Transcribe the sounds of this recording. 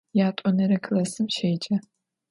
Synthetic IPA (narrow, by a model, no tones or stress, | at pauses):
jaːtʷʼɔnɐɾɐkʰlɐsɨmʃejd͡ʒʼɐ